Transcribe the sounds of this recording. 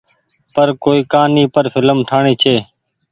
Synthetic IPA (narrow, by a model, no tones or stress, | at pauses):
pəɾkoːiːkaːniːpəɾfʰɪləmʈʰaːɳiːt͡ʃʰeː